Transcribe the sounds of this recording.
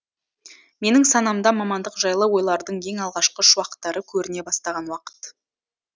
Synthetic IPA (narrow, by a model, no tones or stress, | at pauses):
me̞nɪŋsɑnɑmd̪ɑmɑmɑnd̪əqʒɑjlˠəwo̞jlˠɑɾd̪əɴe̞ŋɑlˠʁɑʃqəʏʃwɑqə̥t̪ːɑɾəkʲʰɵɾɪne̞bɑst̪ɑʁɑnwɑqə̥t̪